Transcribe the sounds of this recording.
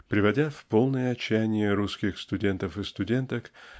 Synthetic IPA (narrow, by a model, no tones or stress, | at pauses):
pɾʲɪvɐdʲafpo̞lˠnəjəɐt͡ɕːæjnʲɪjəɾuskʲɪxst̪ʊdʲe̞nt̪əfɨst̪ʊdʲe̞nt̪ək